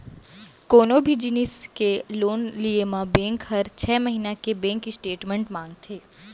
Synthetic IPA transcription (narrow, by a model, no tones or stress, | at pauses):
koːnobʱid͡ʒinɪskeloːnliemãbɛ̃ːŋkɦɐɾt͡ʃʰɛːməɦiːnakebɛ̃ːŋkɪsʈeːʈmẽɳʈmãːŋɡ̚t̪ʰeː